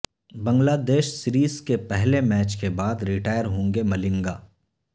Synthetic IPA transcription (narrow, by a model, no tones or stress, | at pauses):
bə̃ŋɡlaːd̪eːʃsɪɾiːskepɛɦlemɛːt͡ʃkebaːd̪ɾɪʈaːjəɾɦõːŋɡemɐlɪ̃ŋɡaː